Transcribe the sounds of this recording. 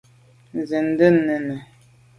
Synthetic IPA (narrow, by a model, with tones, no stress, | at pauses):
n˨zə˨n̩˦də˦nə˨nə˨